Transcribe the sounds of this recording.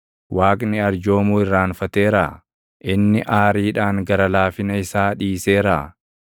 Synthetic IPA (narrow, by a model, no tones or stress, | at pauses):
wʔaːkʼnɪɐɾd͡ʒo̞ːmuːɪrːaːnfɐt̪e̞ːɾa̰ː | ʔɪnːɪʔaːɾiːᶑaːŋɡɐɾɐlaːfɪnɐɪsaːᶑiːse̞ːɾa̰ː